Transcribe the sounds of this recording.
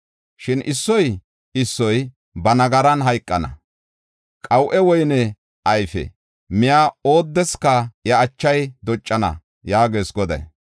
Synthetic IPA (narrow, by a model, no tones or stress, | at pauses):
ʃɪnʔɪsːɔj | ɪsːɔj | bɐnɐɡɐɾɐnɦɐjkʼːɐnɐ̰ | kʼɐwʔɛwɔjnɛ | ɐjfɛ̰ | mɪjaːo̞ːd̪ːɛskːɐjɐːt͡ʃːɐjd̪ɔt͡ʃʼːɐnɐ̰ | jaːɡeːsɡɔd̪ɐ̰j